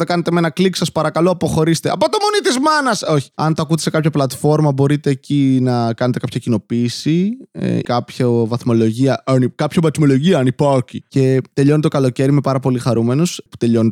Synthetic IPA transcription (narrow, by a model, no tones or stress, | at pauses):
ðekɐnet̪e̞me̞nɐkliksɐspɐɾɐkɐloɐpo̞xo̞ɾist̪e̞ɐpot̪omo̞nit̪izmɐnɐso̞çi̥ɐnt̪ɐkut̪ese̞kɐpçɐplɐt̪fo̞ɾmɐbo̞ɾit̪e̞ːcinɐkɐne̞t̪e̞kɐpʰçɐcino̞piːsiḛkɐpçɐvɐθmo̞lo̞ʝiɐʔɐnikɐpçɐvɐt̪mo̞lo̞ʝiɐɐnipɐkice̞t̪e̞ʎo̞net̪okɐlo̞ce̞ɾime̞pɐɾɐpo̞lixɐɾume̞nospu̥t̪e̞ʎo̞n